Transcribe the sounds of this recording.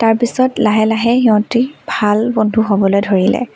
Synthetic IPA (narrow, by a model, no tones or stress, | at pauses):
taɹpisɔtlaɦɛlaɦɛɦiɔ̃tibʱalbɔndʱuɦɔbɔlojdʱoɹilɛ̰